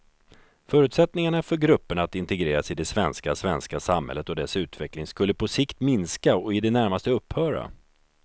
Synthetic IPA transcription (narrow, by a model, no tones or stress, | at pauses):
fœːɾʉ̟t̪sɛt̪nɪŋaɳafœɾɡɾɵpːəɳat̪ɪnt̪ɛɡɾeːɾasɪd̪ɛsvɛnskasvɛnskasamhɛ̰lːət̪ɔd̪ɛsʉ̟ːt̪vɛklɪŋskɵlːəpʰɔsɪkt̪mɪnskaɔɪd̪ɛnæɾmast̪əɵpːhœːɾa̰